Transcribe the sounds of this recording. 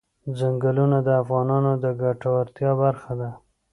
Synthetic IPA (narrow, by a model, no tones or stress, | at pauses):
d͡zaŋɡalunad̪əafɣɑnɑnod̪əɡaʈawaɾt̪jɑbaɾxad̪a